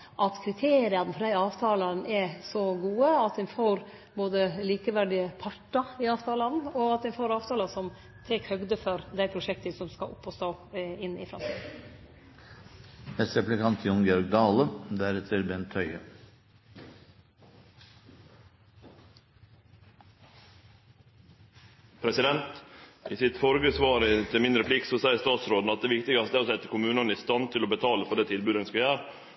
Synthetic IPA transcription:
ʔɑt̪kʰɾɪt̪ʰeːɾɪɑnəfɔɖ̪æɪɑːʋt̪ʰɑːlɑnʔɛsɔɡuːəɑt̪̚d̪ɛnfoːɾ | boːd̪əliːkəʋæɖɪəpʰɑʈːɑɪɑːʋt̪ʰɑːlɑnnɔɑt̪̚d̪ɛnfoːɾɑːʋt̪ʰɑːlɑsɔm | t̪ʰɛkhœɡd̪əfɔɾd̪æɪpʰɾʊʂɛkt̪əsɔmskɑ̰ʔʊ̰pːɔst̪oːɪnːɪ̰fɾɑ̰mt̪ʰḭːd̪ | nɛst̪ɾɛplɪkɑnt̪ʰjɔŋɡjɔɾɡ̚d̪ɑːləd̪æɾɛt̪ʰəɾbɛnt̪ʰœʏə̰ | pʰɾɛsɪd̪ɛnt̪ʔɪsɪt̪fɔɾɡəsʋɑːɾt̪ʰəmɪnd̪ɾəpʰlɪkt̪sɔsæɪəst̪ɑːt̪sɾoːd̪n̩ɑt̪d̪eːʋɪkt̪ɪɡɑst̪əæːɾosɛt̪ːəkʊmʉːnənɪst̪ɑnt̪ʰɪlobət̪ʰɑːləfɔɖɛːt̪ʰɪlbʉd̪ɛnskɑjæːɾ

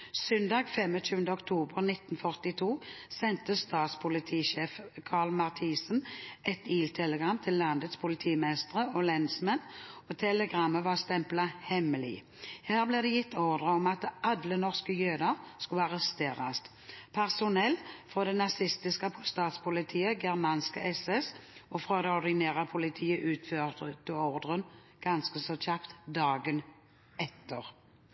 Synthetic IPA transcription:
sœnd̪ɑːɡfɛmət͡ʃʰʉːənd̪əɔkt̪ʰuːbəʁnɪt̪ːnfœʁt̪ɪt̪ʰuːsɛnt̪əst̪ɑːt̪spʰʊlɪt̪ʰiːʃeːfkʰɑːʁlmɑʁt̪ʰiːsən̩ɛt̪iːlt̪ʰɛləɡʁɑmt̪ʰɪlːɑnd̪ət̪spʰʊlɪt̪ʰiːmɛst̪əʁəɔlɛnsmɛnot̪ʰɛləɡʁɑmːəʋɑʁst̪ɛmplɑhɛmːəlḭː | hæːʁblɪʁd̪ɛjɪt̪ʰːɔʁd̪ʁəɔmɑt̪ʔɑd̪lənɔʁskəjøːd̪ɑskʊlɑʁɛst̪eːʁɑst̪ | pʰæʁsʊnɛlfʁoːd̪ɛnɑsɪst̪ɪskəpʰʊst̪ɑːt̪spʰʊlɪt̪ʰiːəɡɛʁmɑnskəʔɛsɛsɔfʁoːd̪ɛɔʁd̪ɪneːʁɑpʰʊlɪt̪ʰiːəʔʉːt̪føːʁt̪ət̪əɔʁd̪ʁən | ɡ̥ɑnskəsɔçɑpt̪d̪ɑːɡən | ɛt̪ːəʁ

